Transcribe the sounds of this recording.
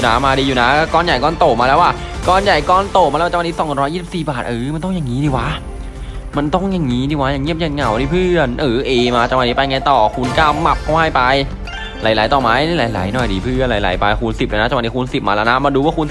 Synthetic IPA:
naː˦˥maː˧diː˧uː˨˩na˦˥˩kɔː˧˨nja˨˩jkɔː˧nt̪o˨˩maː˧lɛ˦˥waː˥˩ | kɔː˧nja˨˩jkɔː˧˩nt̪o˨˩maː˧la˧wni˦˥sɔ˨˦ŋ˧ɾɔ˦˥jiː˥˩si˨˩siː˨˩baː˨˩t̪̚ʔɤː˨ma˧nt̪ɔ˥˩jaː˨˩ŋːiː˦˥diː˧˩wa˦˥ʔ | ma˧nt̪ɔ˥˩ŋjaː˨˩ŋiː˦˥diː˧˩wa˦˥ja˨˩ŋi˥˩m̚ja˧˩nŋa˨˩wdiː˧˩pʰɯː˥˩ənʔɤː˨˩˦ʔeː˧maː˧t͡ɕa˨˧wni˦˥pa˧jŋa˧jt̪ɔː˨˩kʰu˧nkaː˧˥˩wma˨˩p̚kʰa˧˩wha˥˩jpa˧j | laː˨˦jlaː˨˦t̪ɔː˨˩maː˧˥˩na˧˥˩laː˨˦jla̰ː˨˩˦jnɔ˨˩jdiː˧pʰɯ˥˩ə˨nlaː˨˦jla̰ː˨˦jpa˧jku˧nsi˨˩p̚lɯː˧˩na˦˥t͡ɕwa˧˩ni˦ku˧nsi˨˩p̚maː˧lɛ˦˧˥wna˦˥maː˧duː˧waː˥˩ku˧ns

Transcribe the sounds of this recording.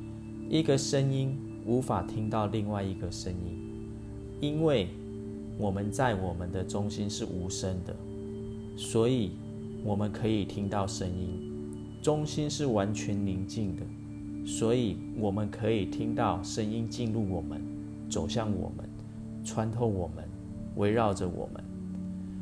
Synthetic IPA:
ʔi˧˥ɡə˨ʂə˦ni˦˥n | u˨˧˥fa˨˩t̪ʰi˥ŋt̪ɑ˥˧ʊli˥˧ŋwa˥˩ɪi˧˥ɡə˨ʂə˦ŋi˦˥n | i˦nwe˥˩ɪ | wʔɔ˨˩mə˨˦nt͡sa˥˩ɪwɔ˨˩mə˨nd̪ə˨ʈ͡ʂʊ˦ŋɕi˦nʂɻ̩˥˩ʔu˧˥ʂə˦nd̪ə̰˨ | swɔ˧˦˥i˨˩ | wɔ˨˩mə˦nkʰɤ˧˦i˨˩t̪ʰi˦ŋt̪ɑ˥˨ʊʂə˦ŋi˦n | ʈ͡ʂʊ˦ŋɕi˦nʂɻ̩˥˩wa˧˦nt͡ɕʰɥɛ˧˦nli˧˥nt͡ɕi˥˨˩nd̪ə˩ | swɔ˧˥i˨˩ | wɔ˨˩mə˦nkʰə˧˦i˨˩t̪ʰi˦˥ŋt̪ɑ˥˨ʊʂə˦ŋi˦nt͡ɕi˥˧nlu˥˩wɔ˨˩mə˨˦n | t͡so˨˩ʊɕjɑ˥˩ŋwɔ̰˨˩mə̰˦n | ʈ͡ʂʰwa˧˦nt̪ʰo˥˩ʊwɔ˨˩mə̰˨˦n | wʔe˧˥ɪɻɑ˥˩ʊʈ͡ʂə˨wɔ̰˨˩mə̰˦n

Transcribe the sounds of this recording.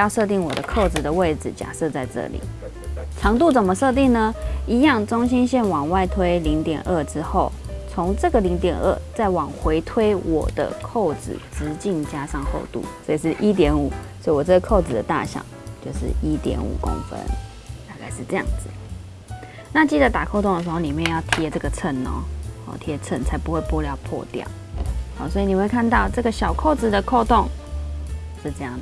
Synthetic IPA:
jɑ˥˧ʊʂɤ˥˧t̪i˥˩ŋwɔ˨˩d̪ə˦kʰo˥˩ʊt͡s̩˨˩d̪ə˩we˥˩ɪʈ͡ʂɻ̩˨˩t͡ɕja̰˨˩ʂɤ˥˧t͡sa˥˧ɪʈ͡ʂɤ̰˥˩lḭ˨˩˦ | ʈ͡ʂʰɑ˧˥ŋt̪u˥˩t͡sə˨˩mə˦ʂɤ˥˧t̪̬i˥˩ŋnə˧i˧˥jɑ˥˩ŋʈ͡ʂʊ˥ŋɕ̬i˥nɕjɛ˥˩nwɑ˨˩ŋwa˥˩ɪt̪ʰwe˥ɪli˧˥ŋt̪jɛ̰˨˩nʔə˥˩ʈ͡ʂɻ̩˥xo˥˩ʊt͡sʰʊ˧˥ŋʈ͡ʂɤ˥˩ɡə˨li˧˥ŋt̪jɛ˨˩nə̰˥˩t͡sa˥˩ɪwɑ˨˩ŋxwe˧˥ɪt̪ʰwe˥ɪwʔɔ̰˨˩d̪ə̰˦kʰo˥˩ʊt͡sɻ̩̰˨˩ʈ͡ʂɻ̩˧˥t͡ɕi˥˩ŋt͡ɕja˥ʂɑ˥˧ŋxo̰˥˧ʊt̪ṵ˥˩swɔ˧˥i˨˩ʂɻ̩˥˩ʔi˥t̪̬jɛ˧˥nu˨˩˦swɔ˧˥i˨wɔ˨˩t͡sə˥˩ɡə˩kʰo˥˩ʊt͡sɹ̩˨˩d̪ə˩t̪a̰˥˨ɕjɑ̰˨˩˦ŋt͡ɕjo˥˧ʊʂɻ̩̰˥˩i˦˥t̪jɛ̰˧˥nṵ˨˩ko̰˦˥ŋfə̰˦˥n | t̪a˥˧ka˥˧ɪʂɻ̩˥˧ʈ͡ʂɤ˥˧jɑ̰˥˩ŋd͡zɹ̩˨˩ | na˥˧t͡ɕi˥˩d̪ə˩t̪a˨˩kʰo˥˧ʊt̪o˥˩ŋdə˩ʂɻ̩˧˥xo˥˩li˨˩mjɛ˥˧njɑ˥˩ʊt̪ʰjɛ˧˦ʈ͡ʂə˥˩ɡə˩t͡sʰə˥˩nɔ̰˨˩hɔ̰˨˩t̪ʰjɛ˧˥t͡sʰə˥˩nt͡sʰa˧˥ɪpu˧˦xwe˥˩ɪpu˥˧ljɑ˧ʊpʰwɔ̰˥˧t̪jɑ̰˨˩ʊhɔ˨˩swɔ˧˥i˨˩ni˨˩˧we˥˩kʰa˥˧nt̪ɑ˥˧ʊʈ͡ʂɤ˥˩ɡə˩ɕjɑ˨˩ʊkʰo˥˩ʊt͡sɹ̩˨˩d̪ə˩kʰo˥˧ʊt̪o˥˨ŋ | ʂɻ̩˥˩ʈ͡ʂɤ˥˧jɑ˥˩ŋ˨

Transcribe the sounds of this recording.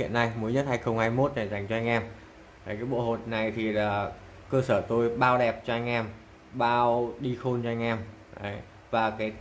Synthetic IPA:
ḭ˧˨ənːa˧jmu˨˦əɲə˦˥t̚haː˧jxə˧wŋ͡mhaː˧jmo˦˥t̚na˨˩za˨˩˦ŋt͡ɕɔ˧ʔa˧jŋ̟ʔaː˧m | ʔa˨˦jkaː˨˦jɓo̰˧˨ho˨˩t̚na˨˩jt̪ʰi˨˩laː˨˩ | kəː˧səː˧˩t̪o˧jɓaː˧wɗɛ˨˩p̚t͡ɕɔ˧ʔa˧jŋ̟ʔaː˧m | ɓaː˧wɗi˧xo˧nt͡ɕɔ˧ʔa˧jŋ̟ʔaː˧m | ʔə˨˦j | vaː˨˩kaː˨˦j

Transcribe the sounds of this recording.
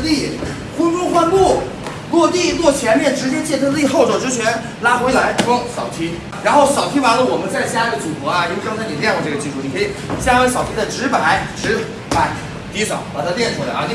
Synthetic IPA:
t̪i˥˩ | kʊ˥nʈ͡ʂʊ˥˧ŋxwa˥˧nlu˥˩ | lwɔ˥˧t̪i˥˩lwɔ˥˩t͡ɕʰjɛ˧˥nmjɛ˥˩nʈ͡ʂɻ̩˧˥t͡ɕjɛ˥t͡ɕjɛ˥˩t̪ʰə˥˧˥li˥˧xo˥˩ʊʈ͡ʂɔ˨˩ʈ͡ʂɻ̩˥t͡ɕʰɥɛ˧˥n | la˥xwe˧˥ɪla˧˥ɪʈ͡ʂwɑ˥ŋsɑ˨˩ʊt̪ʰi˥ | ɻa˧˥nxo˥˩ʊsɕjɑ˨˩ʊt̪ʰi˥wa˧˥lə˧wɔ˨˩mə˦nt͡sa˥˧ɪɕja˥i˧˩ɡə˩t͡su˨˩kwɔ˧˥ɐ˧i˧˥we˥kɑ˥ŋt͡sʰɪn˨˩ljɛ˥˧nwʈ͡ʂɤ˥˩ɡə˩t͡ɕi˥˧ʂʰu˥˩ni˩kʰɤ˧˥i˨˩ɕja˥we˧˥ɪɕjɑ˨˩ʊt̪ʰi˥d̪ə˨ʈ͡ʂɻ̩˧˥pa˨˩˦ɪʈ͡ʂɻ̩˧˥ | pa˧˩˥ɪ | t̪i˧˥ʂɑ˨˩˦ʊpa˨˩t̪ʰa˥t̪jɛ˥˩nʈ͡ʂʰu˥la̰˧ɪa˧˩ni˧

